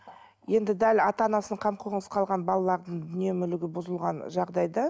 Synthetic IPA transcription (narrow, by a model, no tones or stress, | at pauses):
je̞nd̪ɪd̪ælɑt̪ɑnɑsəɴqʰɑmqʰoʁəɴəsqʰɑlˠʁɑnbɑlˠɑlˠɑɾd̪əɴd̪ʏnemʏlɪɡʲɪbʊzəlˠʁɑnʒɑʁd̪ɑjd̪ɑ